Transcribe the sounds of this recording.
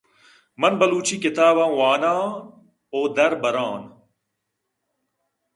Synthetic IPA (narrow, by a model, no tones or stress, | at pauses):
mɐnbɐluːt͡ʃʰiːkɪt̪aːβãːwaːnãː | oːd̪ɐɾbɐɾaːn